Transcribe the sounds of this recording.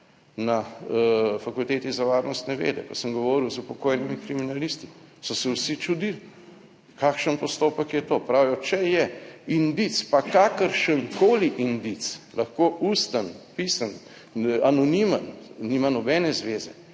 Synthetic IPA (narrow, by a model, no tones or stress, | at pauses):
na | fakult̪eːt̪izaʋaːɾnɔst̪nɛʋḛːd̪ɛ̰kɔsəmɡɔʋɔːɾiwzupɔkoːjnimikɾiminalist̪i̥sɔsɛwsit͡ʃud̪il | kakʃənpɔst̪oːpəkjɛt̪oːpɾawjɔt͡ʃɛjɛind̪it̪spakaːkəɾʃənkoːliʔind̪it̪slɐxkoːʔust̪anpisan | anɔnimənnimanɔbɛːnɛzʋeːzɛ